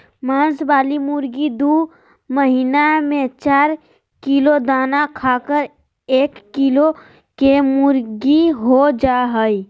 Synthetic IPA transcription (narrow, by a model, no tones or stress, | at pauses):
mãːnsbaːlimʊɾɡid̪u | məɦinamẽt͡ʃaːɾ | kilod̪aːnakʰaːkəɾ | eːkːilo | kemʊɾɡiɦod͡ʒaɦəi